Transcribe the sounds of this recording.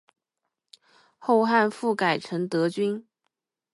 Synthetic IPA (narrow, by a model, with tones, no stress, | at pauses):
xo˥˧ʊxa˥˧nfu˥˩ka˨˩ɪʈ͡ʂʰɤ˧˥ŋt̪ɤ˧˥t͡ɕy˥n